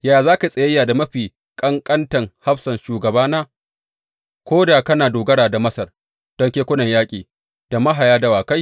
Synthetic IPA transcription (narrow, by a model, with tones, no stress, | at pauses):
jaː˨zaː˦ka˨sʼɐ˨jɐ˦jːaː˨da˨mɐ˦ɸiː˨ | kʼɐ˦ŋkʼɐ˦ntɐ˨ŋha˦ɸsɐ˨nʃuː˨ɡɐ˨baː˦naː˦ | kʷoː˦da˨kɐ˦naː˨doː˨ɡɐ˦ɽaː˨da˨mɐ˦sɐ˨r | d̥ɔ˦ŋkʲeː˦kʷʊ˦nɐ˨ɲjaː˦kʲʼḭː˨ | d̥a˨mɐ˦ɦa˨jaː˦dɐ˦waː˨ka˦j